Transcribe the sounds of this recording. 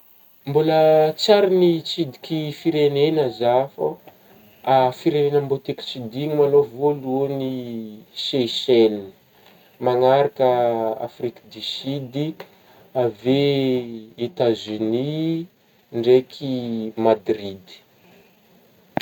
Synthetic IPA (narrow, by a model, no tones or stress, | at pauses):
mbulət͡saɾinit͡sid̪ikʲifiɾenenəzafə | afiɾenenəmbot̪eki̥t͡sid̪iŋimalovoluniʃeselni̥ | maŋaɾakəa̰frikd̪isid̪i | ave | et̪azyni | ɳɖ͡ʐekʰimad̪rid̪i̥